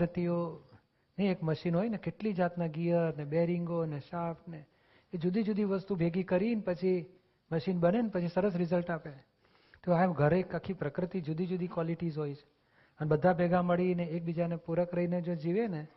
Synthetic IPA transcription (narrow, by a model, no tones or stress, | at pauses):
ɾt̪io | niekməʃinɦojnekeʈlid͡ʒat̪naɡijəɾnebeɾiŋɡoneʃafneː | d͡ʒud̪ʱid͡ʒud̪ʱiʋəst̪ubʱeɡikəɾinpət͡ʃʰi | məʃinbənenpət͡ʃʰisəɾəsɾɪzəlʈape | t̪oaɡʱəɾekakʰːipɾəkɾət̪id͡ʒud̪ʱid͡ʒud̪ʱikʋɔliʈizɦojt͡ʃʰe̥ | ənebəd̪ʱabʱɛɡaməɭineek̚bid͡ʒanepuɾəkɾəined͡ʒod͡ʒiʋene